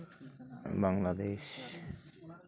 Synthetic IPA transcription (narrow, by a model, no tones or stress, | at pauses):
baŋlad̪eʃ